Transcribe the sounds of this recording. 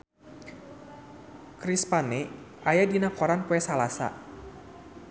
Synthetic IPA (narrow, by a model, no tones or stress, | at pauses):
kɾispanɛʔajadinakɔɾanpuɛsalasa̰